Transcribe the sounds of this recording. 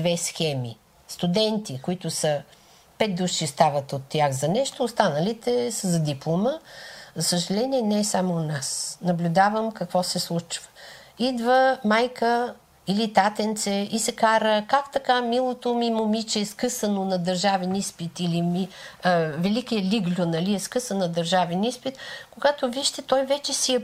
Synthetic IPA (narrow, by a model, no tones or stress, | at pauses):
d̪vɛsxɛmḭ | st̪ud̪ɛnt̪ikoit̪ʊsə | pɛt̪̚d̪uʃist̪avət̪ot̪ːjaxzɐnɛʃt̪oːst̪anəlit̪ɛsəzɐd̪iplˠoməzɐsəʒɐlɛniɛnɛɛsamonasnɐblʲʊd̪avəmkɐkvɔsɛslˠut͡ʃv̥ə̥ | id̪vəmajkə | ilit̪at̪ɛnt̪sɛisɛkaɾəkakt̪ɐkamilˠot̪omimomit͡ʃɛːskɤsənonɐd̪ɐɾʒavɛnispit̪ilimi | vɛlikijəliɡlʲonɐliɛskɤsənːɐd̪ɐɾʒavɛnispit̪koɡat̪oviʃt̪ɛt̪ɔjvɛt͡ʃɛsiɛ